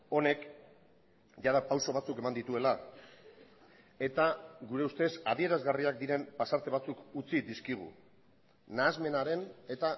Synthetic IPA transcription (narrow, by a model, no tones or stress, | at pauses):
o̞ne̞k | ʝað̞apawso̞β̞at͡suke̞mand̪it̪ue̞la | e̞t̪aɡuɾe̞ust̪e̞saðie̞ɾazɣariak̚d̪iɾe̞mpasaɾt̪e̞β̞at͡sukut͡sid̪iskiɣ̞ṵ | naːzme̞naɾe̞ne̞t̪a